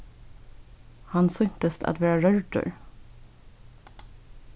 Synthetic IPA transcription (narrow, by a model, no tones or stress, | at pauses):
hansʏŋt̪əst̪ʰa̰t̪væːɾaɾœɹɖə̰ɾ